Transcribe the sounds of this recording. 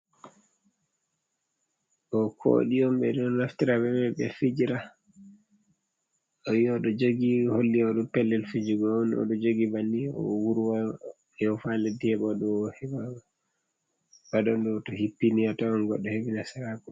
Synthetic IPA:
ʔɔkʰo̰ɗiɔmbɛɗɔnaftiɾabɛbɛɓɛ̰fid͡ʒiɾa | ɔjiɔɗɔd͡ʒoɡiholːiaɗɔpɛlːɛlfid͡ʒuɡɔnɔ̰ɗɔd͡ʒoɡibaniɔ̰wuɾuwa | jɔfalɛdihɛɓɔɗɔhɛa | badɔndɔtɔhipːiniatɔɔnɡɔɗːɔhebinasaɾakɔ

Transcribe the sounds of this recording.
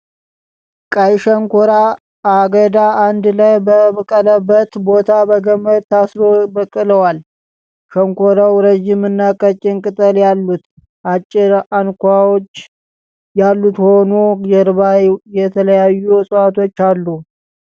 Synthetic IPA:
kʼajʃəŋkʰoɾa | aɡəd̪aːnd̪lajbəbkʼələbːət̪bo̞t̪ʰabəɡəmːəd̪̚t̪ʰasɾobəkʼːɨləwal | ʃəŋkʷoɾawɾəʒɪmɨnːakʼət͡ʃʼːɪnkʼɨt̪ʼəljalːut̪ | ʔat͡ʃʼːɪɾankʷawot͡ʃː | jalːut̪ho̞nojɛɾɨβajɛt̪ʰələjajːusʼwat̪ʰo̞t͡ʃːalːu

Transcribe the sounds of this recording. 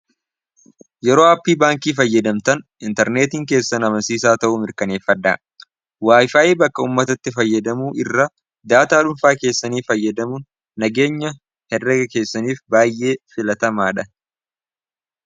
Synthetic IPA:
jɛɾoːaːpːiːbaːŋkiːfɐjːɐd̪ɐmt̪ɐn | ɪnt̪ɛɾne̞ːt̪iŋk̬e̞ːsːɐnɐmɐnsiːsaːt̪ɐʔʊmɪɾkɐne̞ːfːɐd̪ːa̰ː | waːjfaːʔiːbɐkːɐuːmːɐt̪ɐt̪ːɪfɐjːɐd̪ɐmuːʔɪrːɐ | d̪aːt̪aːᶑʊmfaːke̞ːsːɐniːfɐjːɐd̪ɐmʊnː | ɐɡe̞ːɲːɐ | hɛrːɛɡɐke̞ːsːɐniːfbaːjːʔe̞ːfɪlɐt̪ɐmaːᶑɐn

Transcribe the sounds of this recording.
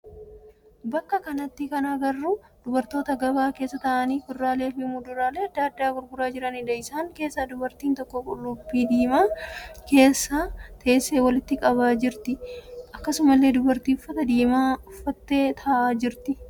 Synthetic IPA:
bɐkːɐkɐnɐt̪ːɪkɐnaːɡɐrːuː | d̪̥ʊbɐɾt̪o̞ːt̪ɐɡɐbaːke̞ːsːɐt̪ɐʔɐniːkʊrːaːle̞ːfɪmud̪ʊɾaːle̞ːɐd̪ːaːɐd̪ːaːɡʊɾɡʊɾaːd͡ʒɪɾɐnɪd̪ɐɪsaːŋke̞ːsːad̪ʊbɐɾt̪iːnt̪ɔkːɔkʼʊlʊbːiːd̪iːmaːke̞ːsːaːt̪ʰeːsːeːwɐlɪt̪ːɪkʼɐβaːd͡ʒɪɾt̪ɪʔɐkːɐsʊmɐlːe̞ːd̪ʊbɐɾt̪iːʊfːɐt̪ɐd̪iːmaːʊfːɐt̪ːe̞ːt̪ʰɐːʔaːd͡ʒɪɾt̪ɪ

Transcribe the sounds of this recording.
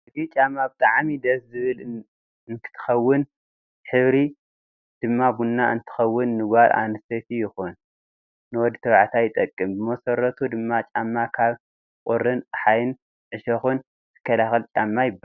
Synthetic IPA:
ɨt̪it͡ʃʼamːabɨt̪ʼaʕmid̪ɐszɨβɨl | ɨnt̪ʰɨ̥t̪ʰɨ̥xɐwːɨn | ħɨβɾi | d̪̥ɨmːabunːaɨnt̪ʰɨ̥xɐwːɨnːɨɡaɾʔa̰nɨst̪et̪ʰijɪxunː | ɨwɔd̪ːit̪ʰɐβʕt̪ʰajɪt̪ʼɐkʼːɨmbɨmɐsɐɾːɐt̪ʰud̪ɨmːat͡ʃʼamːakʰaβ | kʼʊɾːɨnħajɨn | ʕɨʃɐxun | t̪ʰɨ̥kʰːɐlaxɐlt͡ʃʼamːajɪbːa

